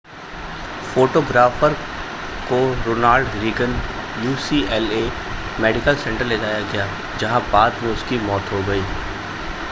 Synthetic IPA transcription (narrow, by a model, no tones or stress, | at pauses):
foːʈoːɡɾaːfəɾ | koɾoːnaːlɖɾiːɡən | juːsiːɛleː | mɛːɖɪkəlsɛ̃ɳʈəɾled͡ʒaːjaɡɐjaː | d͡ʒɐɦãbaːd̪mẽʊskimɔːt̪ɦoɡɐiː